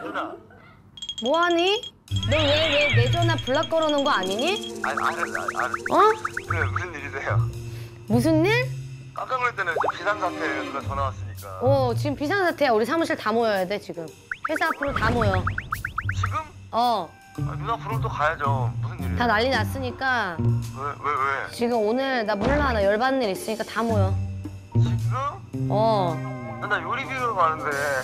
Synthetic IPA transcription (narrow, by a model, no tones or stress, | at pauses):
a | moɦaɲi | newewene̞d͡ʑʌnapuɭːak͈ʌɾʌnɯnɡʌaɲiɲiaa̰ɾɯa̰a̰ʌkɾemusʰɯnːiɡisʰejo | mus̬ʰɯnːiɭ | kak͈aŋɡɾt͈enɯnpisʰaŋsʰatʰeuɡat͡ɕʌnawas͈ɯɲik͈aʌt͡ɕiɡɯmpisʰaŋsʰatʰe̞uɾisʰamuɕʰiɭtamojʌjade̞t͡ɕiɡɯm | ɸwe̞sʰaapʰɯɾotamojo | t͡ɕiɡɯm | ʌ | a̰judapʰɯɾotokʰajad͡ʑomusʰɯnːitanaʎːinas͈ɯɲik͈awewewet͡ɕiɡɯmonɯɭdamuɭːaɦanajʌɭbanːiɾis͈ɯɲik͈atamojo | t͡ɕiɡɯm | ʌtanajoɾibiɡɯmanɯnde